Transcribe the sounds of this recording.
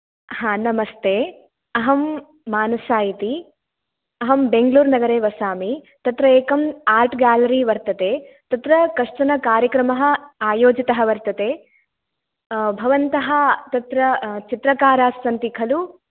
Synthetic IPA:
hãːnɐmɐst̪eː | ɐɦɐmː | aːnɐsaːjit̪i | ɐɦɐmbeŋɡluːɾnɐɡɐɾeːʋɐsaːmit̪ɐt̪ɾɐeːkɐmaːɾʈɡaːlɐɾiʋɐɾt̪ɐt̪eː | t̪ɐt̪ɾɐkɐʂʈɐnɐkaːɾjɐkɾɐmɐɦɐ̆aːjoːd͡ʒit̪ɐɦɐʋɐɾt̪ɐt̪eː | bʱɐʋɐnt̪ɐɦɐt̪ɐt̪ɾɐt͡ʃit̪ɾɐkaːɾaːsʋɐnt̪ikʰɐlu

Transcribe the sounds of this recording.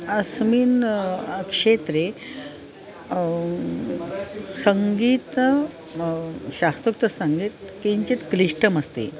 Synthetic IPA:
əsmiːn | kʂet̪ɾe | səŋɡiːt̪ | ɕast̪ɾukt̪əsəŋɡiːt̪kiɲt͡ɕit̪kliʂʈəməst̪ḛ

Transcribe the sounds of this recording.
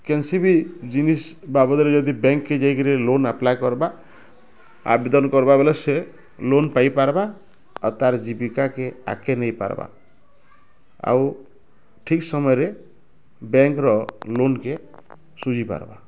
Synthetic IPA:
kensibid͡ʒinisbabɔd̪ɾed͡ʒɔd̪ibeŋkːed͡ʒajkiɾelonaplajkɔɾba | a̰bed̪ɔnkɔɾbabelese | lonpajpaɾba | ɔ̰t̪aɾd͡ʒipikakea̰kenejpa̰ɾba̰ | a̰w | ʈʰiksɔmɔjɾe | beŋkɾɔlonke | sud͡ʒipa̰ɾba̰

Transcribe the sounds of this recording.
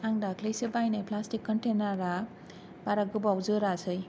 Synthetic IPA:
aŋdaklejsɯbajnajplastikːɔntenaɾa | baɾaɡɯbwzɯɾasɯj

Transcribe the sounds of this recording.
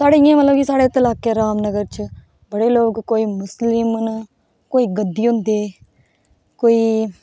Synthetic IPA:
saːɽejãːmət̪ləbkisaːɽeːt̪əlaːkeːɾaːmnəɡəɾt͡ʃ | bəɽeːloːkkoːiːmʊslɪmn | koːiːɡəd̪ːiːɦʊ̃nd̪eː | koːiː

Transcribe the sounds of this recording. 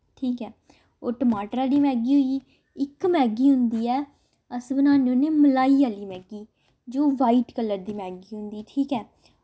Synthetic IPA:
ʈʰiːkɛː | oːʈəmaːʈəɾaːliːmɛːɡiːɦoiː | ɪkmɛːɡiːɦʊnd̪iːɛː | əsbənaːneõːneːməlaːiːaːliːmɛːɡiː | d͡ʒoːʋaːiʈkəlːəɾd̪iːmɛːɡiːɦʊ̃nd̪iːʈʰiːkɛː

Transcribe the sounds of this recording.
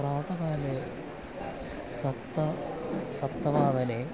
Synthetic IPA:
ɾaːt̪ɐkaːle | sɐt̪ːɐsɐt̪ːɐʋaːd̪ɐne

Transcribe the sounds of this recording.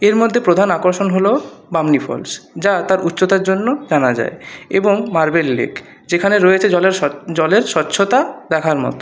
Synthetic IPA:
eɾmod̪ʱːepɾod̪ʱanakoɾʃonɦolobamnifʰɔ̰lsd͡ʑat̪aɾʔutːɕot̪aɾd͡ʑonːod͡ʑanad͡ʑa̰eḛboŋmaɾbelːḛk | d͡ʑekʰaneɾojet͡ɕʰeɔled͡ʑɔleɾʃɔtːɕʰot̪ad̪ɛkʰaɾmɔ̰t̪o̥

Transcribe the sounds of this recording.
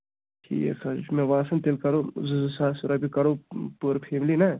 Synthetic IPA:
kʰḭḛsɐt͡ʃmeʋaːsɐnt̪eːlkɐɾozuzsaːsuɾabikɐɾopuɾpʰeːmlina

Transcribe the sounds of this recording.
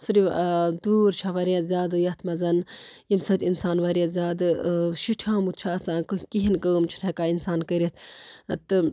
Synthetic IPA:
sɨɾiʋd̪uːɾt͡ʃʰaʋɐɾijazʲaːd̪ɨjɐt̪ʰmɐzɐnjimsɐt̪insaːnʋɐɾijazʲaːd̪ɨʃiʈʰãːmut̪̚t͡ʃʰaːsãːkɨkiɦinkəːmt͡ʃʰi̥nekaːinsaːnkəɾʲɐt̪ʰt̪ɨ

